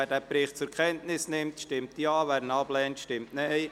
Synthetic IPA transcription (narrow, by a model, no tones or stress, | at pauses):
æːɾdæːpɾɪχt̚t͡sʊɾkʰɛntnɪsnɪmtʃtɪmtiɑːvæːɾdn̩ɑblɛːntʃtɪmtnɛɪj